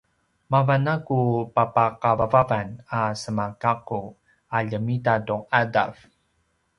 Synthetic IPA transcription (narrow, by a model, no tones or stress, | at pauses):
mavanakupapaqavavavanasəmakaqu | aʎəmitaduŋada̰v